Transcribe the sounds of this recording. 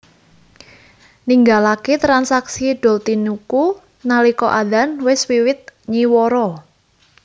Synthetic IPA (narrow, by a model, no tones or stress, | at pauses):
niŋɡalaket̪ɾansaksiɖ̥ɔ̤lt̪inuku | nalikɔ̰ʔadanwɪswiwɪt̪̚ɲiwɔɾɔ